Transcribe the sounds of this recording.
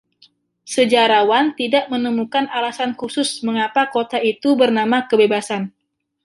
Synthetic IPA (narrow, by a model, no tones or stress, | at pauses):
səd͡ʒaɾawant̪idaʔmənəmukanalasankusʊsməŋapakot̪ait̪ubərnamakəbebasan